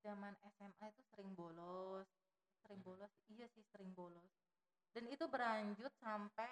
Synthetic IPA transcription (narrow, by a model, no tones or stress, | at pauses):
z̥amanɛsɛmait̪usəɾɪŋbolɔs | səɾɪŋbolɔsijasɪhsəɾɪŋbolɔs | danit̪ubəɾaɲd͡ʒʊt̪̚sampɛ